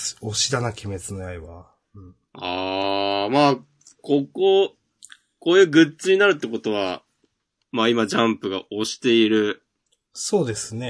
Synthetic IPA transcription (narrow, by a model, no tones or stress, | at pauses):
o̞ɕid̪anakʲime̞t͡sɨno̞jaiβã | a | maː | ko̞ko | ko̞ːjɯːɡɯ̟t͡sɨɲ̟inaɾɯt̪ːeko̞t̪o̞β̞a | maːimad͡ʑãmpɯɡa̰o̞ɕi̥t̪e̞iɾɯ̟ | so̞ːd̪e̞sɨne̞